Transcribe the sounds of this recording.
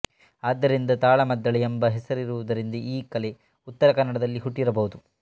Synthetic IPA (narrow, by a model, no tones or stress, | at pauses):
aːd̪ːɐɾind̪ɐt̪aːɭɐmɐd̪ːɐɭeembɐɦɛsɐɾiɾuʋud̪ɐɾind̪ɐʔiːkɐle | ut̪ːɐɾɐkɐnːɐɽɐd̪ɐlːiɦuʈːiɾɐbɐɦud̪u